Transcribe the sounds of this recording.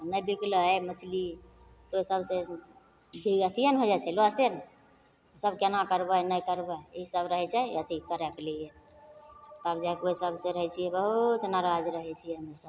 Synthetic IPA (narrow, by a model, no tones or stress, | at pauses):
nəjbikləɛmət͡ʃʰli | t̪oisəbsẽ | bʱiɡət̪ʰijənɦod͡ʒat͡ʃʰɛloasen | səbkenakəɾbənəjkəɾbəiisəbɾəɦɛt͡ʃʰɛət̪ʰikəɾɛklije | t̪əbd͡ʒakoisəbsẽɾəɦɛt͡ʃʰijɛbəɦut̪naɾad͡ʒɾəɦɛt͡ʃʰijɛɦəmesəb